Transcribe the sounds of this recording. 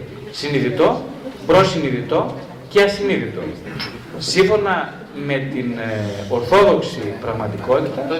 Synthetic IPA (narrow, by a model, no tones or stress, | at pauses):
siniðit̪o̞pɾo̞siniðit̪o̞ | ceɐsiniðit̪o̞̰ | siɱfo̞nɐ | me̞t̪ino̞ɾθo̞ðo̞ksipɾɐɣmɐt̪iko̞t̪it̪ɐ